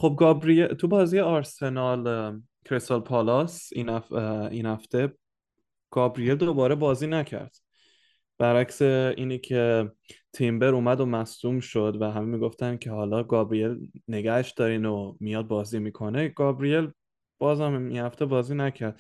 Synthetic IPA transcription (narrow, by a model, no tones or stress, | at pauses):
χo̞b̚ɡɒːbɾiet̪ʰubɒːzijeɒɾse̞nɒl | kʰɾest̪olpʰɒlɒsḭnæinhæft̪e̞ | ɡ̥ɒːbɾije̞ld̪obɒːɾebɒːziːnæcʰæ̰ɾd̪̥ | b̥æɾæcse̞iːnikʰe̞t̪ʰimbe̞ɾuːmæd̪omæsuːmʃo̞d̪væɦæmemiːɡo̞ft̪ænkʲʰe̞hɒːlɒːɡɒːbɾije̞lne̞ɡæheʃd̪ɒːɾiːnomijɒːd̪̚bɒːziːmiːkʰo̞neɡ̥ɒbɾije̞l | b̥ɒːzhæmḭnhæft̪e̞bɒːziːnæcʰæɾd̪̥